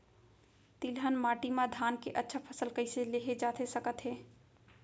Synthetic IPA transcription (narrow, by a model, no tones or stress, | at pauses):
t̪ilɦənmaːʈimad̪ʱaːnkeʔətːʃʰapʰəsəlkəɪseleɦed͡ʒaːt̪ʰesəkət̪ɦeː